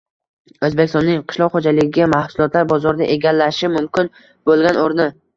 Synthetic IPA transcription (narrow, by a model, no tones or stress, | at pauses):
ɵzbekʲst̪ɒnːɪŋqʰɨ̥ʃlˠɒqχod͡ʒalɪɡʲɪɡʲamahsʊlˠɒt̪laɾbɒzɒɾd̪aʔeɡʲalːaʃɪmʊmkʲɪn | b̥olˠɡʲanoɾnɪ